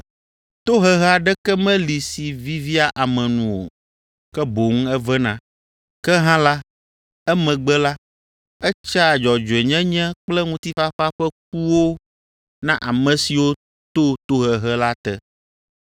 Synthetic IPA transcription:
t̪o˦ɦɛ˦ɦɛ˦a˨ɖɛ˦kɛ˦mɛ̃˦li˨si˨vi˦vi˦a˨ʔa˨mɛ̃˨nũ˨wo̰˨ | kɛ˦bo˨ŋ̩˦ɛ˦vɛ˦nã̰˦ | kɛ˦ɦã˦la˦ | ɛ˦mɛ̃˨ɡ͡bɛ˦la˦ | ɛ˦t͡ʃa˦˨d͡ʒɔ˨d͡ʒo˨ɛ˨ɲɛ̃˦ɲɛ̃˦k͡plɛ˦ŋũ˦t̪i˦fa˦ɸa˦ɸɛ˦k̚u˦wo˦ | nã˦ʔa˨mɛ̃˨si˨wo˦ | t̪o˦t̪o˦ɦɛ˨ɦɛ˦la˦t̪ɛ˦

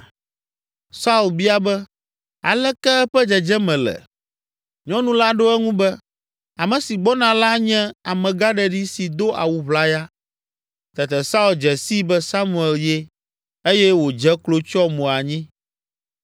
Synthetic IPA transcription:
sa˦u˨lbi˦a˦bɛ˦ | a̰˨lɛ˦kɛ˦ɛ˦ɸɛ˦d͡ʒɛ˨d͡ʒɛ˦mɛ̃˨lɛ̰˨ | ɲɔ̃˦nũ˦la˦ɖo˦ɛ˦ŋũ˦bɛ˦ | a˨mɛ̃˨si˨ɡ͡bɔ˦nã˨la˦ɲɛ̃˦a˨mɛ̃˨ɡa˦ɖɛ˨ɖi˦si˨d̪o˦ʔa̰˨wu˨βla˦ja˦ | t̪ɛ˨t̪ɛ˨sa˦u˨ld͡ʒɛ˨si˦bɛ˦sa˦mũ˨ɛ˨lje˦ | e˦jɛ˦wo˨d͡ʒɛ˦klo˦t͡ʃɔ˦mõ˨a˨ɲĩ˦

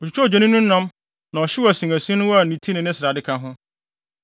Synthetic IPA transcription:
ɔ˨t͡ɕʰu˨t͡ɕᶣʰɔ˦ɔ˨d͡ʑɛ˨˦nĩ˦nũ˦n̩˦nã˦m | nã˨ɔ˨ɕɪ˦wɔ˦æ˨sĩ˨ŋæ˨sĩ˦nʊ̃˦wa˨nĩ˨tʰi˦nɪ̃˨nɪ̃˦sɪ˨ɾa˨dɪ˦kʰã˦ɦʊ̃˦

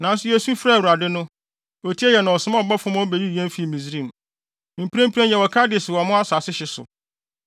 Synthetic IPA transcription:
nã˨n̩˦sʊ˦jɛ˨sũ˦fɾa˦˨u˨ɾa˨dɪ˦nʊ̃˦ | o˨tʰi˦ɛ˦jɛ˨nʊ̃˨ɔ˨sʊ˨˦mã˦ɔ˨ba˦fʊ̃˦mɔ˦bɛ˨ji˦i˨ɛ̃˦m˦fi˨˦˨mĩ˨zɾĩ˦˨m | mĩ˨m˨pʰã˦m̩˦pʰi˦ɾã˦jɛ˨wɔ˨kʰa˦dɪ˨ɛ˨sɪ˨wɔ˨mʊ̃˦a˦sa˨sɪ˦ɕɪ˨sʊ̰˨

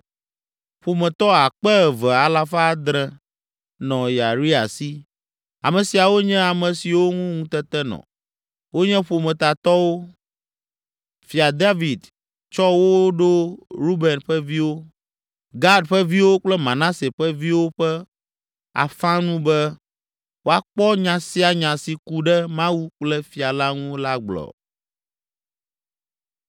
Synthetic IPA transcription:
ɸo˨mɛ̃˨t̪ɔ˦a˨k͡pɛ˦ɛ˨vɛ˨a˨la˦fa˦d̪ɾɛ̃˨ | nɔ̃˨ja˨ɾi˦a̰˨si˦ | a̰˨mɛ̃˨si˨a˨wo˦ɲɛ̃˦a˨mɛ̃˨si˨wo˦ŋũ˦ŋũ˦t̪ɛ˦t̪ɛ˦nɔ̰̃˨ | wo˦ɲɛ̃˦ɸo˨mɛ̃˨t̪a˨t̪ɔ˦wo˦ | fi˨a˨d̪a˦vi˨d̪ | t͡ʃɔ˦wo˦ɖo˦ɾu˦bɛ˨nɸɛ˦vi˦wo˦ | ɡa˦ɖɸɛ˦vi˦wo˦k͡plɛ˦mã˨nã˦se˨ɸɛ˦vi˦wo˦ɸɛ˦ | a̰˨fã˦nũ˦bɛ˦ | wo˦a˨k͡pɔ˦ɲã˨si˦a˨ɲã˨si˨ku˦ɖɛ˦mã˦wu˦k͡plɛ˦fi˨a˨la˦ŋũ˦la˦ɡ͡blɔ̰˨

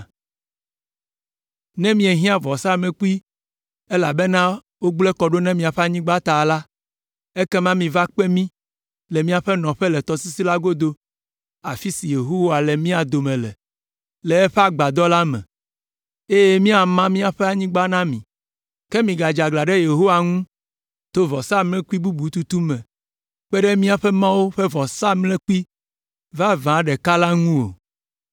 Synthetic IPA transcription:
nɛ̃˦mĩ˦e˨ɦĩ˦a˨vɔ˨sa˦mẽ˨k͡pu˦i˦ | e˦la˨bɛ˦nã˦ | wo˦ɡ͡blɛ˦kɔ˨ɖo˦nɛ̃˦mĩ˦a˨ɸɛ˦a˨ɲĩ˦ɡ͡ba˦t̪a˨la˦ | e˦kɛ˦mã˦mĩ˨va˦k͡pɛ˦mĩ˦ | lɛ˨mĩ˦a˨ɸɛ˦nɔ̃˨ɸɛ˦lɛ˨t̪ɔ˦si˦si˦la˦ɡo˦d̪o˦ | a˨fi˦si˨je˨ɦo˦wa˨lɛ˨mĩ˦a˨d̪o˨mɛ̃˨lɛ̰˨ | lɛ˨ɛ˦ɸe˦a˨ɡ͡ba˨d̪ɔ˦la˦mɛ̰̃˨ | e˦jɛ˦mĩ˦a˨mã˦mĩ˦a˨ɸɛ˦a˨ɲĩ˦ɡ͡ba˦nã˦mĩ˨ | kɛ˦mĩ˨ɡa˨d͡ʒa˨ɡla˨ɖɛ˦je˨ɦo˦wa˨ŋũ˦ | t̪o˦vɔ˨sa˦mlɛ̃˦ku˦i˦bu˦bu˨˦t̪u˦t̪u˦mɛ̃˨ | k͡pɛ˦ɖɛ˦mĩ˦a˨ɸɛ˦mã˦wo˦ɸɛ˦vɔ˨sa˦mlɛ̃˦ku˦i˦ | va˦vã˨˦ɖɛ˨ka˦la˦ŋũ˦wo̰˨

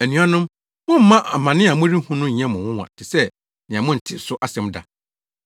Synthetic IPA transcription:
æ˨nũ˨˦a˦nʊ̃˦m | mʊ̃˦m̩˦mã˦ʔa˨mã˨nɪ̃˦˨a˨mʊ̃˦ɾi˦hũ˦nʊ̃˦ɲ̩˨ɲɛ̃˦mʊ̃˨wʊ̃˦wã̰˨tʰɪ˨sɛ˦ | nɪ̃˨ã˨mʊ̃˦n̩˨tʰɪ˦˨sʊ˦ʔa˦sɛ̃˦mda̰˨

